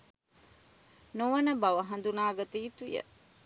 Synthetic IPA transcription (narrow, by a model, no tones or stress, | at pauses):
noʋɐnɐbɐʋɐɦɐnd̪unaːɡɐt̪iːt̪ujə̰